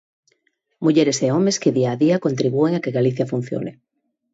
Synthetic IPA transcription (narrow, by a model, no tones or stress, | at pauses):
muʎeɾeseɔmeskɪðiaːðiɐkont̪ɾiβueŋakeɣaliθjɐfun̟θjo̰nɪ̰